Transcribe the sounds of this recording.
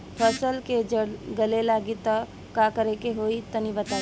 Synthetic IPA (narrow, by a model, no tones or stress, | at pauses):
pʰəsəlked͡ʒəɽɡəlelaːɡit̪ə | kakəɾekeɦoit̪ənibət̪aː